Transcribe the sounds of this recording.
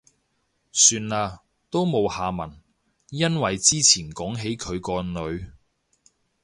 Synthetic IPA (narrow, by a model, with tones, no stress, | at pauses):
syː˧naː˧ | t̪o˥wmo˨˧whaː˨˧mɐ˨˩n | jɐ˥nwɐ˨jt͡siː˥t͡sʰiː˨˩nkɔː˨˥ŋɦe˨˥jkʰɵ˨˧ɥkɔː˧nɵ˨˧ɥ